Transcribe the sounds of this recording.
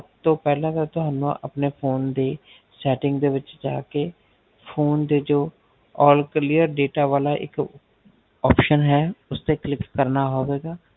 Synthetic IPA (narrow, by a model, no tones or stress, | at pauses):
əpt̪õːpɛːlãːt̪aːt̪ʊɦaːnṵ̃ːʔə̰pneːpʰoːnd̪eː | sɛːʈɪ̃ŋɡd̪eːʋɪt͡ʃd͡ʒaːkeː | pʰoːnd̪eːd͡ʒoː | ɔːlklijəɾɖeːʈaːʋaːlaːʔɪ̰k | ɔːpʃənɦɛːʊst̪eːklɪkːəɾnaːɦoːʋeːɡaː